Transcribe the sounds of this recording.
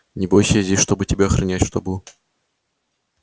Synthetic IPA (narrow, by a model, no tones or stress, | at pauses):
nʲɪbojsʲəzʲdʲesʲʂt̪obɨtʲɪbʲaɐxɾʔɐnʲætʲʂt̪obu